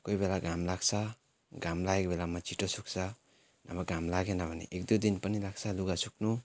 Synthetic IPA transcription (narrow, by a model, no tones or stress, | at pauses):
kojbelaɡamlaksa | ɡamlajkbelamat͡ʃitɔsuk̚sa | nabaɡamlaɡenabanḭʔek̚dudinpanilaksaluɡasuk̚nu